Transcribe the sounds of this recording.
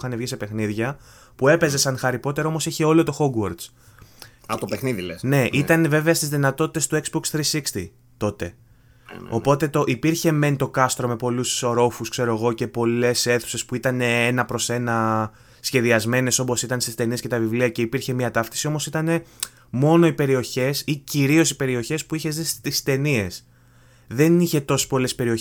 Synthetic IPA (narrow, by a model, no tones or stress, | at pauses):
xɐnevʝise̞pe̞xniðʝɐ | pue̞pe̞ze̞sɐŋxɐɾipo̞t̪e̞ɾɐo̞mosiçeo̞lo̞t̪o̞xo̞ɡwoɾt̪s | ɐt̪opexniðilesne̞ʔit̪ɐneve̞veɐst̪izðinɐt̪o̞t̪i̥t̪est̪ue̞kzboksθɾisikst̪i | t̪o̞t̪e̞ | o̞po̞t̪e̞t̪o̞ʔipiɾçe̞me̞nt̪o̞kɐst̪ɾo̞me̞po̞lusoɾo̞fuskse̞ɾo̞eɣo̞ce̞po̞le̞se̞θu̥se̞spuit̪ɐne̞enɐpɾo̞se̞nɐ | sçe̞ðiɐzme̞ne̞so̞po̞sit̪ɐnst̪ist̪e̞niesce̞t̪ɐvivliɐce̞ipiɾçe̞miɐt̪ɐft̪i̥sio̞mo̞sit̪ɐne̞ | mo̞no̞ipe̞ɾio̞çe̞siciɾio̞sipe̞ɾio̞çe̞spuiçe̞zist̪ist̪e̞nie̞s | ðe̞niçe̞t̪o̞si̥po̞le̞spe̞ɾio